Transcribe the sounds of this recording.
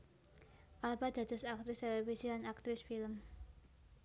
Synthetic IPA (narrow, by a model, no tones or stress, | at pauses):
ʔalbad̪a̤d̪əsak̚t̪ɾɪst̪elefisidanak̚t̪ɾɪsfiləm